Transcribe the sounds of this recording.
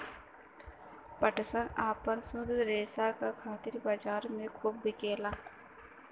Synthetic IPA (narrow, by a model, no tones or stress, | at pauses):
pəʈsãːʔaːpənsʊ̃d̪ɾeːsaːkakʰaːt̪ɪɾbaːd͡ʒaːɾmẽkʰuːb̚ːɪkeːlaː